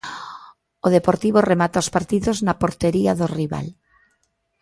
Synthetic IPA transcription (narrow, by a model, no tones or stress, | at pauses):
oð̞epoɾt̪iβ̞oremat̪aospaɾt̪iðoznapoɾt̪eɾiaðoriβa̰l